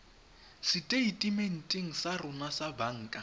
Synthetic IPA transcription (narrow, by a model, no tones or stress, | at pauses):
sɪtʼeitʼimen̩tʼɪŋ̩sarʊnasabaŋ̩ːkʼa